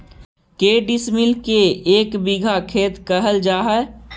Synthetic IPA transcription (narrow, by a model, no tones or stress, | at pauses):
keːɖɪsmɪlkeeːkbɪɡʱakʰeːt̪kəɦəld͡ʒaːɦɛ